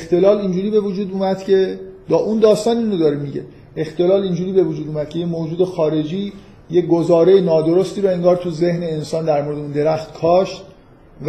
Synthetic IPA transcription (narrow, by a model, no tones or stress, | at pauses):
ext̪ʰe̞lɒːlind͡ʒuːɾiːbe̞vud͡ʒuːd̪uːmæd̪̥cʰe̞d̪̥ɒːʔund̪ɒːst̪ɒːninod̪ɒːɾemiɟḛ | ext̪e̞lɒːlind͡ʒuːɾiːbe̞vud͡ʒuːd̪uːmæd̪̥̚cʰe̞jemoːd͡ʒuːd̪e̞xɒːɾe̞d͡ʒiː | jeɡozɒːɾejenɒːd̪o̞ɾost̪iːɾɔe̞ŋɡɒːɾt̪ʰuze̞hneːnsɒːnd̪æɾmo̞ɾeeuːnd̪e̞ɾæxt̪kʰɒːʃt̪ | v